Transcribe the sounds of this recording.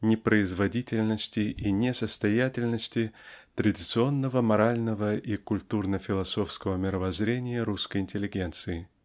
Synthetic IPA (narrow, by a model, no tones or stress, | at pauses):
nʲɪpɾəɪzvɐdʲitʲɪlʲnəsʲtʲɪinʲɪsəst̪ɐjatʲɪlʲnəsʲtʲɪt̪ɾədʲɪt̪sɨo̞nːəvəmɐɾalʲnəvəʔikʊlʲt̪urnəfʲɪlˠɐso̞fskəvəmʲɪɾəvɐzɾʲenʲɪjəɾuskəjɪnʲtʲɪlʲɪɡʲent̪sɨɪ